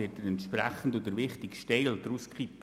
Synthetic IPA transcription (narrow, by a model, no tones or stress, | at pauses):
ɪtəɾɛnt̪ʃpɾɛ̰χən̩dod̪əɾʋɪχtɪkʃtɛɪldɾuskχipː